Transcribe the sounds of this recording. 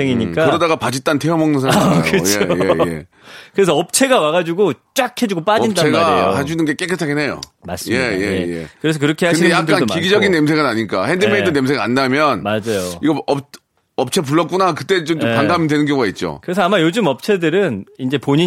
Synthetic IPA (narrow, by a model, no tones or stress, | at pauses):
eŋiɲik͈aɯɾʌdaɣapad͡ʑit͈antʰeʌmʌŋnɯnsʰkɯjʰeojeḛ | kɯɾe̞sʰʌʌp̚t͡ɕʰe̞ɡawaɣad͡ʑuɡot͡ɕ͈akʰe̞d͡ʑuɡop͈ainddaeɡaao̰haɕʰinɯnɡe̞k͈ek͈ɯtʰaɡene̞jo̰mas͈jejḛejḛkɯɾe̞s̬ʰʌk̬ɯɾʌkʰe̞hakɯnidejakk͈anokiɡid͡ʑʌɡinːems̬ʰeɡanaɲik͈ahendɯmeidɯne̞ms̬ʰeɡa̰nːamjʌnmad͡ʑajoiɡʌʌp̚ | ʌp̚t͡ɕʰe̞p̬uɭːʌk͈unakɯt͈e̞t͡ɕomomkaŋɡamjʌndwe̞nɯnɡjʌŋuɡait̚t͡ɕ͈o̰kɯɾe̞s̬ʰʌamajod͡ʑɯmʌp̚t͡ɕʰe̞dɯɾɯnind͡ʑe̞poɲi